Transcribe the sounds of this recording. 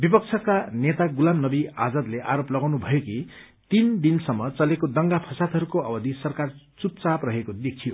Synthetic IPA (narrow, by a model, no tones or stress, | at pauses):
bipʌk̚t͡sʰʌkanet̪aɡulamnʌbia̰d͡zʌd̪leʔaɾoplʌɡawnubʱʌjoki | t̪ind̪insʌmːʌt͡sʌlekod̪ʌŋɡapʰʌsat̪ɦʌɾukoʌbʌd̪ʱisʌrkart͡sup̚t͡saprʌɦekod̪ekʰijo